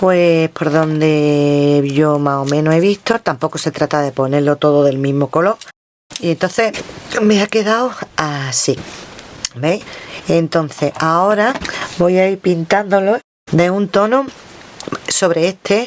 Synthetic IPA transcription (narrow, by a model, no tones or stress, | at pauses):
pwepʰo̞ɾðo̞nd̪e̞ | ʝomao̞mẽnoe̞βiht̪o̞t̪ampo̞ko̞se̞t̪ɾat̪aðe̞po̞ne̞ɾlo̞t̪o̞ðoðe̞lmĩɦmo̞ko̞lo̞ɾ | ient̪o̞nθe̞me̞ake̞ðawasi | beent̪o̞n̟θe̞hao̞ɾabo̞jaiɾpint̪and̪o̞lo̞ | d̪e̞unt̪o̞no | so̞β̞ɾe̞eht̪ʰe̞